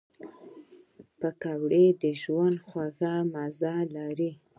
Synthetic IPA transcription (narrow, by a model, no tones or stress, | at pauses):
pəkawɽed̪əʒwand̪xwaɣamazalaɾi